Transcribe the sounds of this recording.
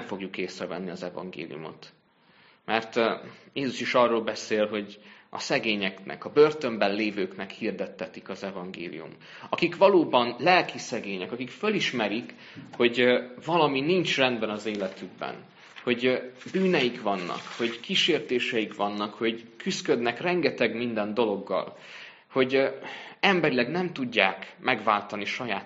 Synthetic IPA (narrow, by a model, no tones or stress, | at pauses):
nɛmfo̞ɡjukeːsrɛvɛ̰nːiɒzɛvɒ̰ŋɡḛːlḭjṵmo̞̰t̪ | mʔɛrt̪jeːzuʃiʃɒrːoːlbɛseːlɦo̞ɟʔɒ̰sɛɡeːɲɛknɛ̰kɒbørt̪ø̞mbɛnleːvøːknɛkhird̪ɛt̪ːɛt̪ikɒzɛvɒŋɡḛːlḭjṵm | ɒkikʋɒloːbɒnlɛlkisɛɡeːɲɛkɒkikføliʃmɛɾik | ho̞ɟvɒlɒminint͡ʃrɛnd̪bɛnɒzeːlɛt̪yɡ̚bɛ̰n | ho̞ɟbyːnɛjikʋɒnːɒ̰kho̞ɟkiʃeːrt̪eːʃɛjikʋɒnːɒkho̞ɟkyskø̞d̪nɛkrɛŋɡɛt̪ɛɡmind̪ɛnd̪o̞lo̞ɡːɒ̰l | ho̞ɟ | ɛmbɛɾilɛɡnɛmt̪uɟːaːkmɛɡvaːlt̪ɒniʃɒjaːt̪